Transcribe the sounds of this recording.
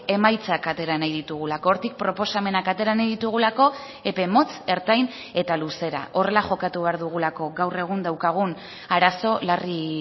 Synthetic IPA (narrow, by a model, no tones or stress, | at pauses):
e̞majt͡sakat̪e̞ɾanajðit̪uɣulako̞ːɾt̪ik̚pɾo̞po̞same̞nakat̪e̞ɾanajðit̪uɣ̞ulako̞ | e̞pe̞mo̞t͡se̞ɾt̪ajn | e̞t̪aluse̞ɾa̰ʔo̞re̞laʝo̞kat̪uβe̞aɾðuɣ̞ulako̞ɡawre̞ɣ̞und̪awkaɣ̞un | aɾaso̞lari